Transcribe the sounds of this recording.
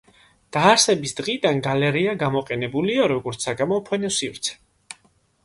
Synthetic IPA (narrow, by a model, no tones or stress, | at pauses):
d̪̥aːɾsɛbisd̪̥ʁid̪anɡalɛɾiaɡamɔqʼɛnɛbuliaɾɔɡɔɾt̪saɡamɔpʰɛnisivɾt̪sʰɛ̥